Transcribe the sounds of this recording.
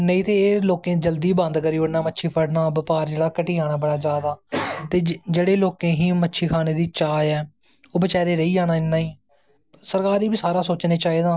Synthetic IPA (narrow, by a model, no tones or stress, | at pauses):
nəĩːt̪eːloːkẽːd͡ʒəld̪iːbãːnd̪kəɾiːʊnaːmətːʃʰiːpʰəɽnaːbəpaːɾd͡ʒeːɽaːkəʈiːaːɽ̃aːbəɽaːd͡ʒjaːd̪aːt̪eːd͡ʒeːɽeːloːkẽːɦĩːmətːʃʰiːkʰaːneːd̪iːt͡ʃaːjɛː | oːbət͡ʃaːɾeːɾəiːd͡ʒaːnaːɪnːãːiː | səɾkaːɾiːbiːsaːɾaːsoːt͡ʃneːt͡ʃaːiːd̪aː